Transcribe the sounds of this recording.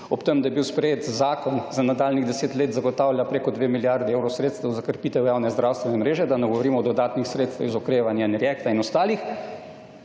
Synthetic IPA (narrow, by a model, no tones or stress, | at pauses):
ɔpt̪əmd̪ajɛbiwspɾɛjeːt̪zaːkɔnzanad̪aːlniɣd̪ɛseːt̪leːt̪zaɡɔt̪aːwljʲapɾeːkɔd̪ʋeːmiljaɾd̪ɛewɾɔsɾeːt̪st̪ʋɛwzakəɾpiːt̪ɛwjaːwnɛzd̪ɾawst̪ʋɛnɛmɾeːʒɛd̪anɛɡɔʋɔɾiːmɔd̪ɔd̪aːt̪nixsɾeːt̪st̪ʋɛ̰wizɔkɾeːʋanjainɾjɛkt̪ainɔst̪aːlix